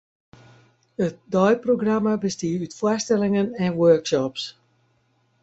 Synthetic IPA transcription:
ət̚dɔjproɡramabəstiəytfwastɛlɪŋənɛnwøːkʃɔps

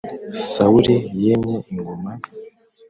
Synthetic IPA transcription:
sauɾejemŋeiŋɡoma

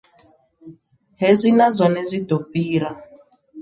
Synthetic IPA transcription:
ɦezʷinazʷɔnɛzʷitɔpiːɾa

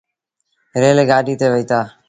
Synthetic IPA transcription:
ɾeːleːɡaːɖʱiːt̪eːʋəiːt̪aː

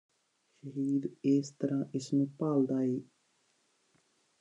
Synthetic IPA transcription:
ʃəɦiːd̪eːst̪əɾãːʔɪsmũːpaːld̪aːɦeː

